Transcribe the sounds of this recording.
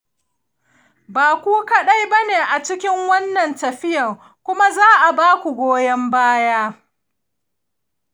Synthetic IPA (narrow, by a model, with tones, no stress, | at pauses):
baː˨kʷuː˦kɐ˨ɗa˦jbɐ˦neː˨ʔa˨t͡ʃɪ˦kʲɪ˦ŋwɐ˦nːɐ˨ntɐ˨ɸɪ˦jɐ˨ŋ | kʷʊ˦ma˦zaː˦ʔa˨baː˦kʷu˨ɡʷoː˦jɐ˦mbaː˦jaː˦